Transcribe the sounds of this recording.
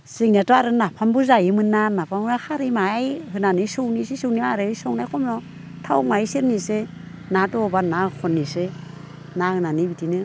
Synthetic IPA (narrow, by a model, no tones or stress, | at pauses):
siŋniatɔaɾɯnapʰambuzajɯmɯnːanapʰamnahaɾimajhɯnanɯsownisisɯwnimaɾɯsɔwnajkʰɔmnɔ | tʰawmajseɾnise | natɔːbanakʰɔnːise | naɯnanɯbitinɯ